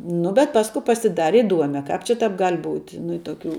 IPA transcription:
ˈnʊ bʲɛt ˈpɑːskʊ pɐsʲɪˈdɑːrʲɛ ɪˈduɔmʲɛ ˈkɑːp t͡ʃʲɛ ˈtɑːp ˈɡɐlʲ ˈbuːtʲ ˈnʊ ɪ tuɔˈkʲuː

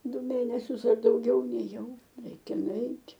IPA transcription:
ˈdʊ ˈmʲeːnʲɛsʲʊs ɐr dɐʊˈɡʲɛʊ nʲeːˈjɛʊ ˈrʲɛɪkʲɛ nʊˈɛɪtʲ

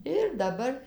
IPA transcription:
ɪr dɐˈbɐr

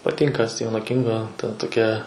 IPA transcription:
pɐˈtʲɪŋkɐ ˈsʲtʲiːʋʲɛnoː ˈkʲɪŋɡoː tɐ toːˈkʲɛ

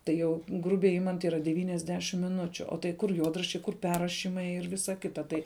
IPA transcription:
ˈtɐɪ jɛʊ ˈɡrʊbʲɛɪ ˈɪmɐnt ˈiːrɐ dʲɛʋʲiːnʲɛzʲˈdʲæːʃʲɪm mʲɪˈnʊt͡ʃʲʊ oː tɐɪ ˈkʊr ˈjuɔdrɐʃʲt͡ʃʲɛɪ ˈkʊr ˈpʲɛrrɐʃʲiːmɐɪ ɪr ˈʋʲɪsɐ ˈkʲɪtɐ ˈtɐɪ

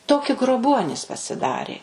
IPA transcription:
ˈtoːkʲɪ ɡroːˈbuɔnʲiːs pɐsʲɪˈdɑːrʲeː

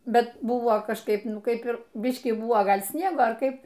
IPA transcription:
ˈbʲɛt ˈbʊʋoː kɐʃˈkɐɪp ˈnʊ ˈkɐɪp ɪr ˈbʲɪʃʲkʲiː ˈbʊʋoː ˈɡɐlʲ ˈsʲnʲiɛɡoː ɐr ˈkɐɪp

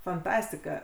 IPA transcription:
fɐnˈtɑːsʲtʲɪkɐ

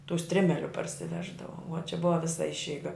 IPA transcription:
tuː ˈsʲtʲrʲɪmʲɛlʲʊ pɐrʲsʲɪˈʋʲæːʒdɐʋoː ʋoː t͡ʃʲɛ ˈbʊʋɐ ˈʋʲɪsɐ ˈɪʃʲɛɪɡɐ

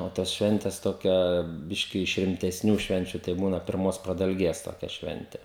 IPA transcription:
oː ˈtɐs ˈʃʲʋʲɛnʲtʲɛs ˈtoːkʲɛ ˈbʲɪʃʲkʲɪ ɪʃ rʲɪmʲtʲɛsʲˈnʲuː ˈʃʲʋʲɛnʲt͡ʃʲʊ tɐɪ ˈbuːnɐ pʲɪrˈmoːs prɐdɐlʲˈɡʲeːs toːˈkʲɛ ˈʃʲʋʲɛnʲtʲɛ

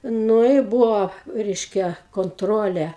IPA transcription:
ˈnʊ ɪ ˈbʊʋoː ˈrʲɛɪʃʲkʲɛ koːnˈtroːlʲɛ

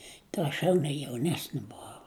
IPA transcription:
tɐɪ ˈɐʃ jɛʊnʲɛ jɛʊˈnʲæːsʲnʲɪ bʊˈʋɐʊ

